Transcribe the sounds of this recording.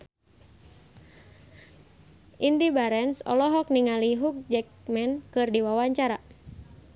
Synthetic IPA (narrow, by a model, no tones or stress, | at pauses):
ʔindibaɾɛnsɔ̰lɔɦɔk̚niŋaliɦuk̚d͡ʒɛk̚mɛnkɨrdiwawaɲt͡ʃaɾa